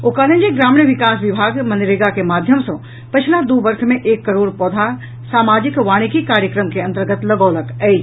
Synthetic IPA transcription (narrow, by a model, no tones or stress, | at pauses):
okalə̃ɲd͡ʒeɡɾaːmɳiʋɪkaːsʋɪbʱaːɡmɐnɾeɡakemaːd̪ʱjəmsɔ̃ | pɐt͡ʃʰlad̪obəɾkʰmẽʔeːkːəɾoːɽpɔːd̪ʱa | saːmaːd͡ʒɪkʋaːɽ̃ikikaːɾjəkɾəmkeɐ̃nt̪əɾɡət̪lɐɡɔːləkɛi